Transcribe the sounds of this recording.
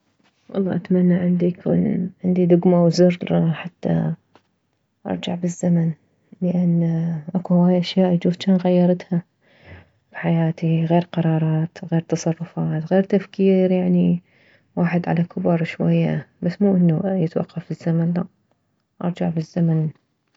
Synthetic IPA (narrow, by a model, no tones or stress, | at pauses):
wʔɑ̰lˤːɑ̰ːʔat̪manːaʕɪnd̪ijakʰṵːnʕɪnd̪id̪ʊɡmawzʊrˤħat̪ːa̰ | ʔɑ̰ɾˤd͡ʒaʕbɪzːaman | ləʔanːʔakuhwaːjʔaʃjaːʔjd͡ʒuːft͡ʃanɣajːɑɾˤt̪ha | b̥iħajaːt̪iɣeːɾqɑɾˤɑːɾˤɑːt̪ɣeːɾt̪ɑsˤɑrˤːʊfɑːt̪ɣeːɾt̪afkiːɾjaʕni | waːħɪd̪ʕa̰lakʊbɾˤʃwa̰jːabasːmuːʔɪnːujɪt̪wɑ̰qːɑfɪzːamanlaʔ | ʔɑ̰ɾˤd͡ʒaʕbɪzːaman